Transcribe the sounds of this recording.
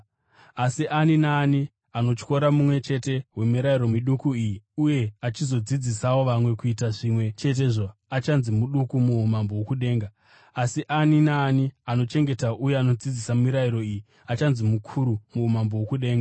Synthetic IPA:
asiʔaninaːni | ano̞t͡ʃko̞ɾamumwe̞t͡ʃe̞te̞ɦwe̞miɾaiɾo̞miɗukuijiuje̞at͡ʃizo̞d͡zid͡zisawo̞ʋamwe̞kuitaʐimwe̞t͡ʃe̞t̬e̞ʐoat͡ʃanzimuɗukumuumambo̞wokuɗe̞ːŋɡa | asiʔaninaːniano̞t͡ʃe̞ŋɡe̞tauje̞ano̞d͡zid͡zisaumiɾaiɾo̞iːji | at͡ʃanzimukʰuɾumuːmambo̞wokuɗe̞ːŋɡa

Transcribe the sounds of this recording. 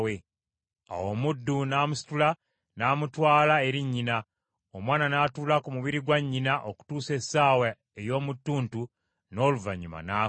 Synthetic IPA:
we | a̰wo̞mudːunaːmusi̥tula | naːmutwaːlae̞ɾiɲːina | omwaːnanaːtuːlakumuβiɾiɡwaɲːinaʔoku̥tuːse̞saːwa | ejo̞ːmutːuːntu | no̞ːluva̰ɲːuma̰naː

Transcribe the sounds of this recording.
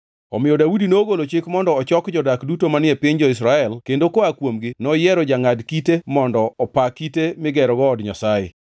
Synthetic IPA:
ɔmɪjɔdaudinoːɡolot͡ʃɪkmɔndɔːt͡ʃɔkd͡ʒɔdakdutomanɪɛpɪɲd͡ʒɔɪs̬ɾaɛlkendokoakwomɡɪnɔjɛɾɔd͡ʒaŋadkitemɔndɔːpakitemɪɡɛɾɔɡɔːdɲasaɪ̰

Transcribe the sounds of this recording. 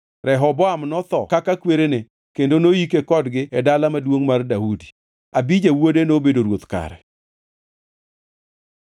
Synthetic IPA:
ɾɛɦɔbɔamnɔt̪ɔkakakweɾene | kendonoikekɔdɡɪɛdalamadwoŋmardaudi̥ | abid͡ʒewodenobedoɾwot̪ka̰ɾɛ̰

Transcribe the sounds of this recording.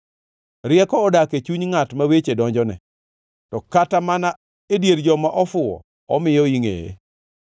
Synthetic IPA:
ɾɪjɛkɔːdaket͡ʃuɲŋatmawet͡ʃedɔɲd͡ʒɔnɛ̰ | tɔkatamana | edjeɾd͡ʒɔmaʔɔfʊɔ̰ | ɔmɪjɔiŋḛjḛ

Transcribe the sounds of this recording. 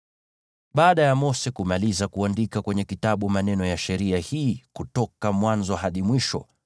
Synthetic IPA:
ɓaːɗajamɔsɛkumalizakuandikakwɛɲɛkitaɓumanɛnɔjaʃɛɾiahiːkutɔkamwanzɔhaɗimwiʃɔ̰

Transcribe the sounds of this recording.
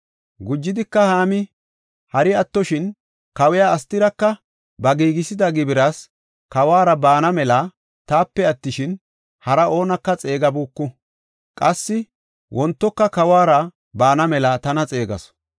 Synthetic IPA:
ɡʊd͡ʒːɪd̪ɪkːɐhaːmɪ | hɐɾɪɐt̪ːɔʃɪn | kɐwɪjaːɐst̪ɪɾɐkːɐ | bɐɡiːɡɪsɪd̪ɐɡɪbɪɾɐs | kɐwaːɾɐbaːnɐmɛlɐ | t̪aːpːɛɐt̪ːɪʃɪn | hɐɾɐʔo̞ːnɐkːɐt͡sʼe̞ːɡɐbuːkːʊ | kʼɐsːɪ | wɔnt̪ːɔkːɐkɐwaːɾɐ | baːnɐmɛlɐt̪ɐnɐt͡sʼe̞ːɡɐ̰s

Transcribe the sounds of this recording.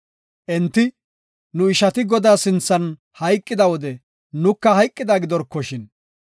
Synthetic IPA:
ʔɛnt̪ːɪ | nʊɪʃɐt̪ɪɡɔd̪aːsɪnt͡sːɐn | hɐjkʼːɪd̪ɐwɔd̪ɛ | nʊkːɐhɐjkʼːɪd̪aːɡɪd̪ɔɾkːɔʃɪn

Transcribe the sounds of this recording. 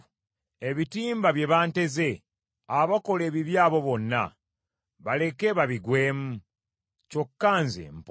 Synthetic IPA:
e̞βitiːmbaβje̞βaːnte̞ze̞ | aβako̞leːβiβjaːβo̞βo̞nːa̰ | βale̞ke̞ːβaβiɡwe̞ːmu | co̞kːaːnzḛm̩p

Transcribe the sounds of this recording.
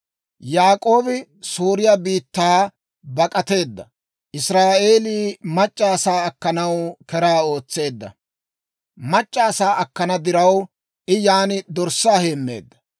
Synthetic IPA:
jaːkʼo̞ːbɪsuːɾɪjabiːt̪ːaː | bɐkʼɐt̪e̞ːd̪ːɐ | ʔɪsɾaːʔe̞ːliːmɐt͡ʃʼːaːsaːɐkːɐnɐwkɛɾaːo̞ːt͡sːe̞ːd̪ːɐ̰ | mɐt͡ʃʼːaːsaːʔɐkːɐnɐd̪ɪɾɐw | ʔɪjaːnɪd̪ɔɾsaːheːmːḛːd̪ːɐ̥

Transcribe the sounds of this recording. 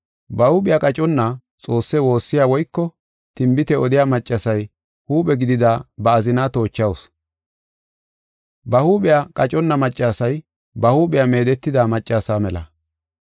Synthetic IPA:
bɐhuːɓɪjakʼɐt͡ʃʼɔnːɐ | t͡sʼo̞ːsːɛwo̞ːsːɪjaːwɔjkːɔ | t̪ɪmbɪt̪ɛɔd̪ɪjaːmɐt͡ʃʼːɐsɐj | huːɓɛɡɪd̪ɪd̪abɐːzɪnat̪o̞ːt͡ʃːɐws | bɐhuːɓɪjakʼɐt͡ʃʼɔnːɐmɐt͡ʃʼːaːsɐj | bɐhuːɓɪjame̞ːd̪ɛt̪ːɪd̪aːmɐt͡ʃʼːaːsaːmɛlɐ̰

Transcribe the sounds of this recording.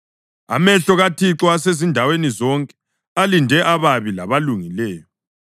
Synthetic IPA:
a̰mɛɬɔɣatʰiǁɔasezindʱawenizɔŋkʼɛ̥ | alindʱɛʔaβaβila̰βaluŋilɛːjɔ

